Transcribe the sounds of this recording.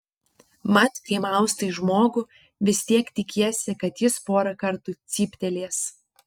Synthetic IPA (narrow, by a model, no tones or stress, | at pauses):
mɐt̪kʲɪmɑˑʊst̪ɐɪʒmoːɡʊ | ʋʲɪsʲt̪ʲiɛkt̪ʲɪkʲiɛsʲɪkɐt̪jɪspoːɾɐkɐɾt̪uːt̪sʲiːpʲt̪ʲɛlʲeːs